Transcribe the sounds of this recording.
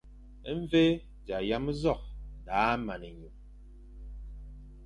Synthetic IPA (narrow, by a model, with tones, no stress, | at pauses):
ɱ˦ve˦ | d͡ʒa˨ja˦m˦zɔ˦˨k̚daː˨˦ma˨nɛ˨ɲu˨